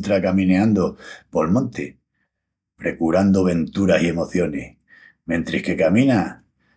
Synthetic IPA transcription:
t̪ɾakamĩneãnd̪opo̞lmõ̞nt̪e | pɾe̞kuɾand̪oβ̞e̞nt̪uɾasie̞mo̞θjo̞neh | mẽ̞nt̪ɾehke̞kamĩna

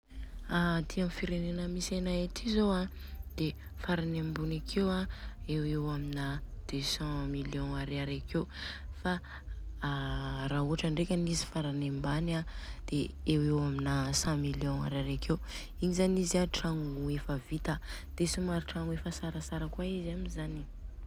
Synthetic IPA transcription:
ad̪iamfiɾenenəmisanaetizowa | d̪̥e | faɾanembunakʰewaewewaminad̪̥øsɑ̃miljɔ̃aɾaɾakewfa | ɾaɦuaʈ͡ʂaɳɖ͡ʐekʲənizi̥faɾanembanad̪̥eewewaminasɑ̃miljɔ̃a̰ɾaɾakew | iɲizanizaʈ͡ʂaŋuuefəvit̪ə | d̪̥esimaɾiʈ͡ʂaŋuefəsaɾasaɾakwaizamizani

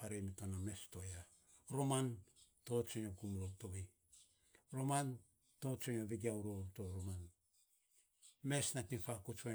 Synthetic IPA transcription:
aɾemitoname̞stoja | ɾomantot͡ʃoɲokumlotoβi | ɾoman | tot͡ʃoɲoβiɡiauɾotoɾoman | mesnatinfakut͡ʃo

